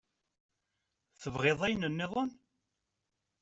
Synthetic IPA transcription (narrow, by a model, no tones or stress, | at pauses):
θəvʁeðˤæjənənːɪðˤon